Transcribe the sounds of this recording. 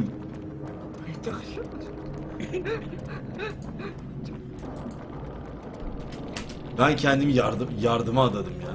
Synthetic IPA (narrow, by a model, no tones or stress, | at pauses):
et̪aʃ | bæncʰɛnd̪imijaɾjaɾd̪ɯmaad̪ad̪ɯmjaːn